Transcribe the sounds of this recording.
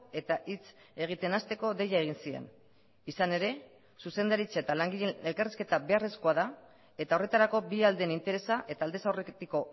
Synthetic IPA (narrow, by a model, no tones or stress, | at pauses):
e̞t̪aʔit͡s | e̞ɣ̞it̪e̞nast̪e̞ko̞ðe̞jaeɣ̞insie̞̰n | isane̞ɾe̞ | suse̞nd̪aɾit͡saet̪alaŋɡiʎeelkariske̞t̪aβe̞areskoaða | e̞t̪ao̞re̞t̪aɾako̞biald̪enint̪e̞ɾe̞saʔe̞t̪aːld̪e̞sawret̪iko̞